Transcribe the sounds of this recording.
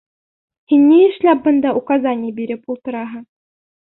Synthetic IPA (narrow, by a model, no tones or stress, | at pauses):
xʲinʲːeɘʃlʲæp̚bɤ̆nd̪ɑʔukɑzɑnʲijbʲiɾʲɘ̆pulˠt̪ɤ̆ɾɑɦɤ̆